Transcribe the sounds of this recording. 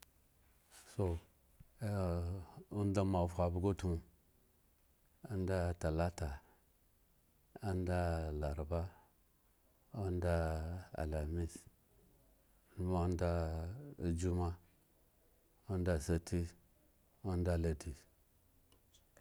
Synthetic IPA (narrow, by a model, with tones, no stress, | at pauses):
so˨˦˨ | u˦n˦da˦ma˨fa˨bu˦ɡo˦tu˨ | u˦n˦da˦˨ta˨la˦ta˨ | a˦n˦da˦˨la˨ɾba˦ | u˦n˦da˦a̰˨la˨mi˦s | u˦ma˦u˦nda˦˨ | d͡ʒu˦ma˦ | u˦n˦da˦˨sa˦tʰi˦ | u˦n˦da˦˨la˨di˨